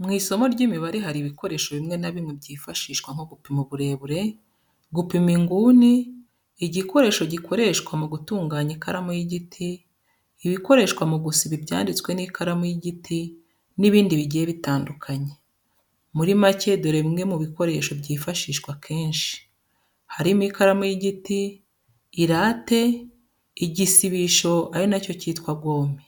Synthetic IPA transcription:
mŋiːso̞mo̞ɾɟiːmiβaɾiɦaɾiβiko̞ɾe̞ːʃo̞βimŋe̞naβimŋebɟiːfaʃiːʃkwaŋ̥ho̞ɡupimuβuɾe̞βuɾe̞ | ɡupimiŋɡuːniː | ɟiko̞ɾe̞ːʃo̞ɟikʰo̞ɾe̞ːʃkwamuɡutuːŋɡaːɲikaɾamojiɟitʰiː | βiko̞ɾe̞ːʃkwamuɡusiβibɟa̰ːndit͡swe̞nikʰaɾamojiɟitʰi | niβiːndiβiɟijeβitaːndukʰaɲe | muɾimace̞doɾeŋe̞muβiko̞ɾe̞ʃo̞bɟiːfaʃiːʃkwakʰe̞ːnʃi̥ | haɾimikaɾamojiɟitiː | ɾaːte̞ | iɟisiβiʃo̞aɾinaco̞ciːtkwabɡoːmi

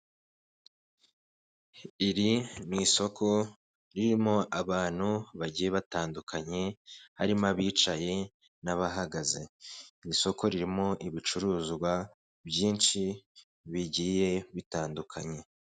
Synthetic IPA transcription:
iɾiniːso̞kʰo̞ | ɾiɾimo̞ʔaβaːn̥huβaɟije̞βataːndukʰaɲe̞haɾimaβiːt͡ʃaje̞ | naβaɦaɡaze̞̰niso̞ko̞ɾiɾimo̞ʔiβit͡ʃuɾuːzɡwa | bjiːnʃi | βiɟiːje̞βitaːndukʰa̰ɲe̞

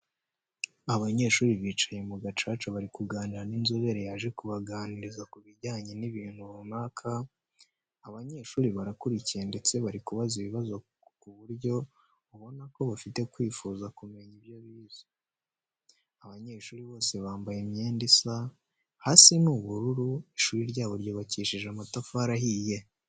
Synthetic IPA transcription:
aβaɲe̞ːʃuːɾiβiːt͡ʃḁje̞muɡat͡ʃaːt͡ʃaβaɾikuɡaːniɾaninzoβe̞ɾejaːʒe̞kuβaɡaːniɾizakuβiɟaːɲe̞niβiːn̥huβunaːkʰaː | βaɲe̞ːʃuːɾiβaɾakuɾicije̞nde̞t͡se̞βaɾikuβaziβiβazo̞ | kuβuɾɟo̞ | uβo̞nako̞βafite̞kwiːfuːzakume̞ɲiβjoβiːzo̥ | aβaɲe̞ːʃuːɾiβo̞ːse̞βaːmbajemɲe̞ːndisa | hasinuβuɾuɾuiʃuːɾiɾɟaːβoɾɟo̞βaciːʃiʒamatafaɾaɦije

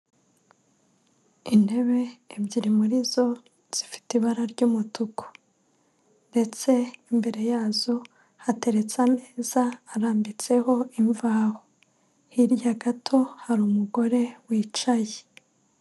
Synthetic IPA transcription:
ine̞βe̞ːbɟiɾimuɾizo̞ | z̥ifi̥tiβaɾaɾɟuːmutuko̥ | nde̞t͡se̞imbe̞ɾe̞jaːzo̞ | hate̞ɾe̞t͡same̞ːzaːɾaːmbit͡se̞ho̞iɱvaːho | hiɾjaɡatʰo̞haɾuːmuɡo̞ɾe̞wiːt͡ʃaje

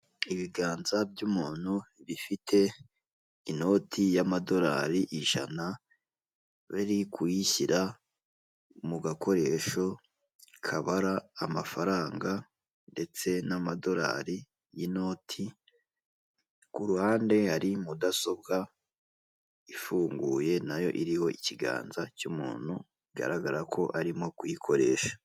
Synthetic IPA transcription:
iβiɡaːnzabjumuːn̥huβifitʰe̞ | ino̞tʰijamado̞ɾa̰ːɾiʔiʒ̥a̰na | βiɾikʰuiçiɾa | muɡako̞ɾe̞ʃo̞ | kʰaβaɾaːmafaɾaːŋɡa | nde̞t͡se̞namado̞ɾa̰ːɾi | jino̞ːtʰi | kuɾuhaːnde̞haɾimudaso̞b̚ɡa | ifuːŋɡuːje̞najo̞̰ʔiɾiho̞iciɡa̰ːnzacumṵːn̥hu | iɡa̰ɾaɡaɾakʰo̞ʔaɾimo̞kwikʰo̞ɾe̞ːʃḁ

